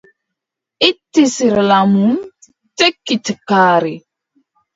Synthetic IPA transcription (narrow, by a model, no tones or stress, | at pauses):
itːisiɾlamum | tekːitkaːɾi